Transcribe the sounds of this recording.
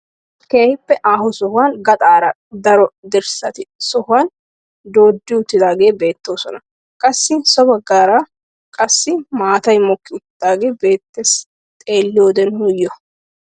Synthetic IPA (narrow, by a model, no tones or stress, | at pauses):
keːhɪpːɛʔaːɦɔsɔhʊwanɡɐt̪ʼaːɾɐ | d̪ɐɾɔd̪ɪɾsɐt̪ɪsɔhʊwaːn | d̪o̞ːd̪ːɪʊt̪ːɪd̪aːɡe̞ːbe̞ːt̪ːo̞ːsɔnɐ | kʼɐsːɪsɔbɐɡaːɾa | kʼɐsːɪmaːt̪ɐjmɔkːɪʊt̪ɪd̪̥aːɡe̞ːbe̞ːt̪ːes | t̪ʼe̞ːlːɪjoːd̪ɛnhʊjːɔ